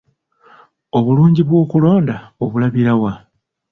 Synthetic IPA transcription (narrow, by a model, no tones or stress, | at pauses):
o̞βuluːɲɟiβwo̞ːkulo̞ːndao̞βulaβiɾawa